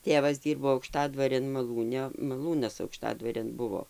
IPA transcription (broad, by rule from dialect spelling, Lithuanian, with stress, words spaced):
ˈtʲeːʋɐs ˈdʲiːrboː ɐʊkˈʃtɑːdʋɐrʲeːn mɐˈlˠuːnʲɛ mɐˈlˠuːnɐs ɐʊkˈʃtɑːdʋɐrʲeːn ˈbʊʋoː